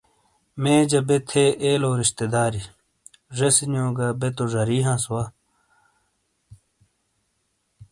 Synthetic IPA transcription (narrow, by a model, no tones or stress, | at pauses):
mẽːd͡ʑɐbet̪ʰeʔeːloːɾiɕt̪ed̪aːɾi | ʐesinjõːɡɐbet̪oʐɐɾiːɦãːswaː